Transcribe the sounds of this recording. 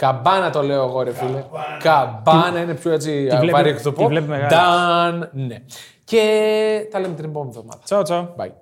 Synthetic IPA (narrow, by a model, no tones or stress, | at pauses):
kɐbɐnɐt̪o̞le̞oeɣoɾefilekɐbɐnɐine̞pçoe̞t͡sipɐɾikt̪upovlepmeɣɐd̪ɐnne | ce̞t̪ɐlemet̪inbomenevðomɐ̰ðɐ̥ot͡sobɐ̰j